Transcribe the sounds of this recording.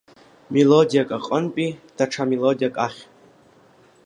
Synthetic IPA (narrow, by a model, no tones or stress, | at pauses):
melodijakʼaqʼənpʼid̥aʈ͡ʂʰamelodijakʼaχʲ